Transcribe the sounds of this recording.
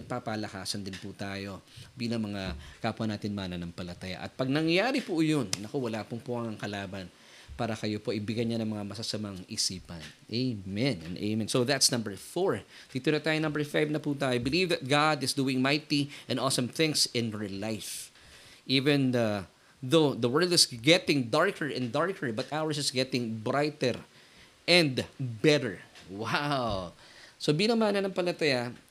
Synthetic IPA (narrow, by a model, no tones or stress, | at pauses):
ɐɡ̚papalɐkaːsɐnd̪ɪnput̪aːjo̞biːlɐŋmɐŋakaːpʊɐnaːt̪ɪnmaːnɐnɐŋpɐlɐt̪ɐja̰ʔɐ̰t̪̚pɐɡ̚nɐŋjaːɾipʊjonɐkowɐlaːpʊŋpʊʔɐŋɐŋkɐlaːbɐn | paːɾɐkɐjo̞po̞ʔɐbɪɡɐjɲanɐŋmɐŋamɐsɐsɐmaŋɪsiːpɐnʔemɛnɛ̰̃nʔḛjmɛnsowðɐt̪snɐ̃mbɛɹfoɹ | d̪̥it̪onɐt̪aːjonɐ̃mbɛ˞fajvnɐput̪aːjobɪlivðɐt̪̚ɡad̪ɪsd̪uːɪ̃ŋmajt̪iʔɛ̃nɔlsɐ̃mθɪ̃ŋsɪ̃nɹlajf | ʔiːvɛ̃n | ðoðɐwɜ˞lˠd̪ɪsɡɛt̪ɪ̃ŋd̪aɹkʰəɹʔɛ̃nd̪aɹkʰəɹbɐt̪ʔawəɹsɪsɡɛt̪ɪ̃ŋbɹajt̪ɛɹ | ʔɛ̃nd̪bɛɾə˞waw | sobinɐmaːnɐnɐŋpɐlɐt̪ɐja